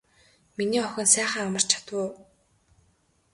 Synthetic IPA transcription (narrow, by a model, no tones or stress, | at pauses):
miniːɔxʲɪ̆nsæːχə̆ːŋamə̆r̥t͡ɕʰḁt̪wə